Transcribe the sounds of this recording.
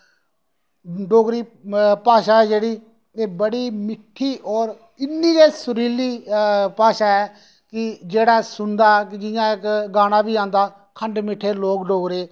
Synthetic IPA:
ɖoːɡɾiːpaːʃaːɛːd͡ʒeːɽiː | eːbəɽiːmɪʈʰːiːʔɔːɾ | ɪnːiːɾeːsʊɾiːliːpaːʃaːɛː | kɪd͡ʒeːɽaːsʊnd̪aːkɪd͡ʒɪjãːɪkɡaːɽ̃aːbiːãːnd̪aː | kʰəɳɖmɪʈʰːeːloːkɖoːɡɾeː

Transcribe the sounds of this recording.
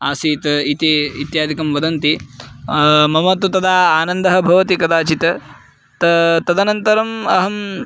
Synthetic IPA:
aːsiːt̪ɐit̪iit̪jaːd̪ʱikɐmʋɐd̪ɐnt̪i | mɐmɐt̪ut̪ɐd̪aːaːnɐnd̪ɐɦɐ̆bʱɐʋɐt̪ikɐd̪aːt͡ʃit̪ɐ | t̪ɐt̪ɐd̪ɐnɐnt̪ɐɾɐmɐɦɐm

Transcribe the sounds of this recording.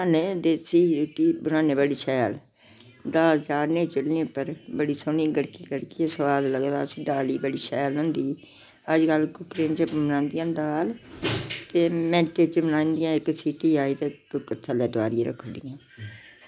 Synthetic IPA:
aːneːd̪eːsiːʈiːbənaːneːbəɽiːʃɛːəl | d̪aːld͡ʒaːɾneːt͡ʃəlnẽːpːəɾbəɽiːsoːniːɡəɽkiːɡəɽkiːesəʋaːd̪ləɡd̪a̰ːsĩːd̪aːliːbəɽiːʃɛːlɦʊ̃nd̪iː | əd͡ʒkəlkʊkɾeːnt͡ʃemənãːnd̪ɪjãːd̪aːl | t̪eːmɛ̃ːʈet͡ʃbənãːnd̪ɪjãːɪksiːʈiːaːiːt̪eːkkət̪ʰːəlɛːd̪aːɾieɾə̰kʰːənd̪ijãː

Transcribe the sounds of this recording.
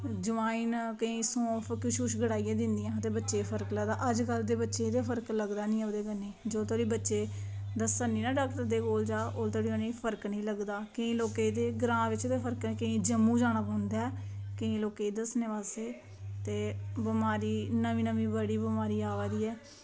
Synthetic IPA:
d͡ʒʊʋaːiːnkəĩːsõːpʰkɪʃuʃɡəɽaːijẽːd̪ɪnd̪ijãːət̪eːbətːʃeːpʰəɾkləɡd̪aːʔəd͡ʒkəld̪eːbətːʃeːt̪eːpʰəɾkləɡd̪aːnĩːod̪eːkənĩːd͡ʒoːt̪ʰoːɽiːbətːʃeː | d̪əsənĩːnaːɖaːkʈəɾd̪eːkoːld͡ʒaːʔoːlt̪oːɽiːoːnẽːpʰəɾknəĩːləɡd̪aːkəĩːloːkeːd̪eːɡɾãːʋɪt͡ʃt̪eːpʰəɾknːkəĩːd͡ʒəmːũːd͡ʒaːnaːpəːnd̪aːɛːkəĩːloːkeːd̪əsneːʋaːseː | t̪eːbəmaːɾiːnəʋĩːnəʋĩːbəɽiːbəmaːɾiːaːʋeːd̪iːɛː

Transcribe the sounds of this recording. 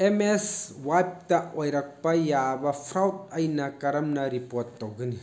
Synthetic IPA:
emeswajp̚tɐʔojɾɐk̚pɐjabɐpʰɾawtɐjnɐkɐɾɐmnɐɾipoɾtːowɡɯni

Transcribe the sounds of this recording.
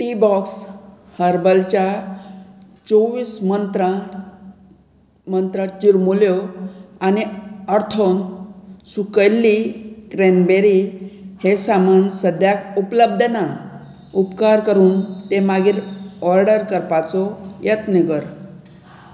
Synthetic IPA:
ʈibɔkshəɾbəlt͡ɕa | t͡soʋiːsmənt̪ɾa | mənt̪ɾət͡ɕiɾmuljoaniəɾt̪ʰonsukəjlːikɾenbeɾihesamənsəd̪jakupləb̚d̪ʱəna | upkaɾkəɾuːnt̪emaɡiːɾɔɾɖəɾkəɾpat͡sɔjət̪niɡəɾ

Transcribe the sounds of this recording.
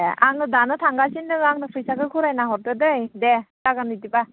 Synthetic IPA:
a̰ŋnɯdanɯtʰaŋɡasinɯaŋnɯpʰɯjsakɯkʰuɾajnaɦɔɾtɯdɯjdetaɡanːitiba

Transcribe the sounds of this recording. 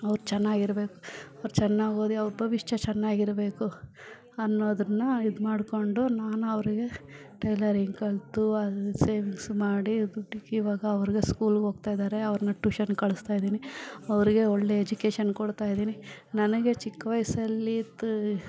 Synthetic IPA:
ɐʋɾut͡ʃɛnːaːɡiɾbe̞ːku̥ɐʋɐɾut͡ʃɛnːaːɡo̞ːd̪iɐʋɐɾbʱɐʋiʂʈɐt͡ʃɛnːaːɡiɾɐbe̞ːku | ɐnːoːd̪ɾɐnːɐid̪maːɽko̞ɳɖunaːnuɐʋɐɾiɡe̞ | ʈɐjlɐɾiŋɡkɐɭt̪uɐse̞ːʋiŋɡsmaːɽid̪uʈːikiʋaːɡɐːʋɐɾiɡe̞skuːlɡɦo̞ːɡ̚t̪aːjd̪aːɾe̞ɐʋɐɾɐnɐʈuːʃɐnkɐɭust̪aːjd̪iːniɐʋɐɾiɡe̞ɔɭːe̞ːd͡ʒukeːʃɐnkoɽt̪aːjid̪iːninɐnɐɡe̞t͡ʃikːɐʋɐjsɐlːit̪ː

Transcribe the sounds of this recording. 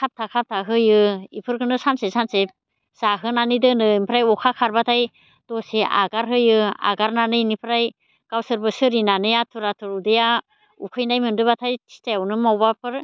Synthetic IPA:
kʰap̚tʰakʰap̚tʰaɦɯjɯḭpʰɯɾkʰɯnɯsansesanse | z̥aɦɯnanidɯnɯimpʰɾajɔkʰakʰaɾbatʰaj | tɔseʔa̰ɡaɾɦɯjɯa̰ɡaɾnanɯjnipʰɾaj | kawsɯɾbɯsɯɾinanɯjatʰuɾatʰɯɾudeja | ṵkʰɯjnajmɯndɯbatʰajtʰi̥stajawnɯmawbapʰɯɾ

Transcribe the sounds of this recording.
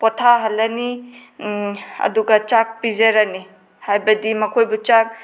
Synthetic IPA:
pɔtʰaɦɐlːɐni | ɐ̰duɡat͡ʃak̚pizeɾani | hajbɐdimɐkʰojbut͡ʃak̚

